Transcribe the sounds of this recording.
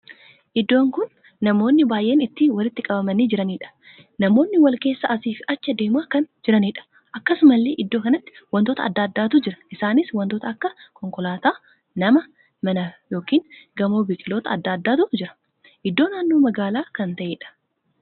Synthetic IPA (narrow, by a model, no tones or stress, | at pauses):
ʔɪd̪ːo̞ːŋkʊnː | ɐmo̞ːnːɪbaːjʔe̞ːnɪt̪ːiwɐlɪt̪ːɪkʼɐbɐmɐniːd͡ʒɪɾɐniːᶑɐ̥ | nɐmo̞ːnːɪwɐlke̞ːsːɐʔɐsiːfɐt͡ʃːɐd̪e̞ːmaːkɐnd͡ʒɪɾɐniːᶑɐ̥ | ʔɐkːɐsʊmɐlːeːʔɪd̪ːo̞ːkɐnɐt̪ːɪ̥wɐnt̪oːt̪ɐ̰ɐ̰d̪ːaːd̪ːaːt̪ʊd͡ʒɪɾɐ̥ʔɪsaːnɪswɐnt̪oːt̪ɐɐkːɐkɔŋkɔlaːt̪aː | nɐmɐ | mɐnɐjo̞ːkiːŋɡɐmo̞ːbɪkʼɪlo̞ːt̪ɐɐd̪ːaːd̪ːaːt̪ʊd͡ʒɪɾɐ̥ | ʔɪd̪ːo̞ːnaːnːo̞ːmɐɡaːlaːkɐnt̪ɐʔeːᶑɐ̥